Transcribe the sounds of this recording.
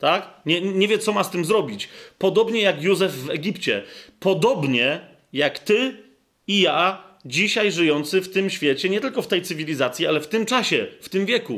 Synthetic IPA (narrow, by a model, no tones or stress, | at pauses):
t̪akɲɛɲɛvʲjɛt̪sɔmast̪ɘmzɾɔbʲit͡ɕpɔd̪ɔbɲɛjakjuzɛvːɛɡʲipt͡ɕɛ̰pɔd̪ɔbɲɛ | jakt̪ɘ | ijad͡ʑiɕajʐɘjɔnt̪sɘft̪ɘmɕfʲjɛt͡ɕɛɲɛt̪ɘlkɔft̪ɛjt̪sɘvʲilʲizat̪sʲjialɛft̪ɘmt͡ʂaɕɛft̪ɘmvʲjɛkṵ